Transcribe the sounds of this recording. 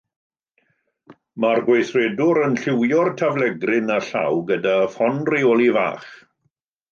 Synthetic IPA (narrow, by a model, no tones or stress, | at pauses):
marɡwejθrɛdʊɾənɬɪwjɔrtʰavlɛɡrɪnaɬa̰wɡədafɔnrioːlˠiva̰ːχ